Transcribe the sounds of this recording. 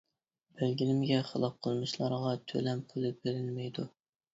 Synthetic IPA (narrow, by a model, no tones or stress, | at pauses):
b̥ælɡʲilɪmɡʲɛχəlˠɑp̚qʰəlˠmɨʃlˠɑɾʁɑt̪ʰø̰lɛmqʰolˠɨp̚belɪnmɛjd̪u